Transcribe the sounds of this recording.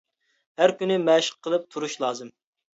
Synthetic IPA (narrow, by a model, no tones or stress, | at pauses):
hæɾkʲynɪmæʃə̥q̚ʰːəlˠɨp̚t̪ʰuɾuʃlˠɑːzɨm